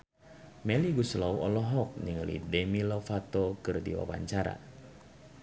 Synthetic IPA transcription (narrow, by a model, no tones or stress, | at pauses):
mɛliɡuslawɔlɔɦɔk̚niŋəlḭdɛmilofat̪okɨrdḭwa̰wa̰ɲt͡ʃaɾa̰